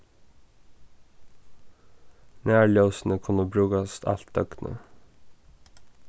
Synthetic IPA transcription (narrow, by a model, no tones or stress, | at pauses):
næːɭoːsn̩əkʰʊnəbɹʉːɡɑst̪ʰɑ̰lt̪œɡnʔə̰